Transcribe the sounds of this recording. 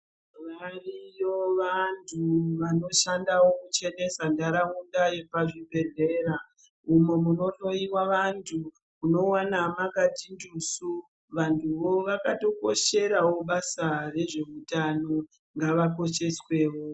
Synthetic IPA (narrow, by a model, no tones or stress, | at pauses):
marijoʋantʰuʋano̞ʃandawokut͡ʃe̞ne̞sandaɾaundaje̞paʐibʱe̞ɮe̞ːɾa | umwe̞muno̞to̞iwaʋantʰu | uno̞wanamakatindusu | ʋantʰuʋo̞ʋakato̞ko̞ʃe̞ɾawo̞ɓasare̞ʐe̞utano̞ | ŋɡaʋako̞ʃe̞swe̞ːwo̞